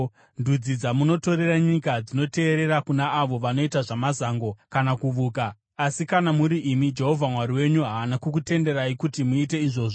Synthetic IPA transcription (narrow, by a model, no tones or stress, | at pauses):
ndud͡zid͡zamuno̞to̞ɾe̞raɲikad͡zino̞te̞ːɾe̞ɾakunaːʋo̞ʋano̞itaʐamazaːŋɡo̞kanakuʋuːkaː | sikanamuɾiʔimid͡ʒe̞ɦo̞vʱamwaɾiwe̞ɲuɦaːnakukute̞nde̞ɾaikutimuit̬e̞iʐo̞ːʐo